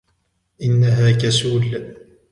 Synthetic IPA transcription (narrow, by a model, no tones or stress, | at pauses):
ʔɪnːaɦaːkasuːl